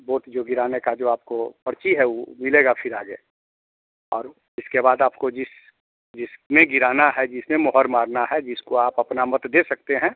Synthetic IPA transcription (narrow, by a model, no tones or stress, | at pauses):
boːʈd͡ʒoːɡɪɾaːnekad͡ʒoːaːp̚kopəɾt͡ʃiɦɛumɪleːɡafʰɪɾaːɡḛ | ɔ̰ːɾ | ɪskebaːd̪aːp̚kod͡ʒɪs | d͡ʒɪsmẽɡɪɾaːnaɦɛd͡ʒɪsmẽmɔɦəɾmaːɾnaɦɛd͡ʒɪskoaːpɐpnamɐt̪d̪eːsɐk̚t̪eɦɛ̃ː